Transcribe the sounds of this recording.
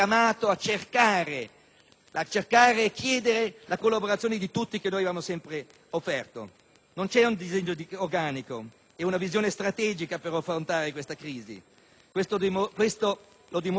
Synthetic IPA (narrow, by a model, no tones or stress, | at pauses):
amaːt̪oat͡ʃːerkaːɾe | at͡ʃːerkaːɾeːkʰːjɛːd̪eɾelakolːaboɾat̪sjoːned̪it̪ut̪ːik̟enoːjavaːmosɛmpɾe | ofːɛrt̪o̰ | nont͡ʃɛund̪izeɲːod̪iorɡaːniko | ɛunavizjoːnest̪ɾat̪ɛːd͡ʒikapeɾafɾont̪aːɾekwest̪akɾiːzḭ | kwest̪od̪mkwest̪o | lod̪im